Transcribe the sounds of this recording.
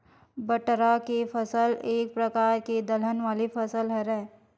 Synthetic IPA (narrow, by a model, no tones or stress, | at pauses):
bəʈɾakefʰɐsəleːk̚pɾəkaːɾked̪ələnʋaːlifʰɐsəlɦɛɾɛː